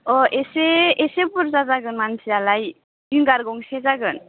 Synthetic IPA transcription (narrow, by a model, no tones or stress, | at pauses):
ɔʔeseesepuɾt͡sat͡saɡənmansʰialaj | iŋɡaɾɡoŋset͡saɡɯn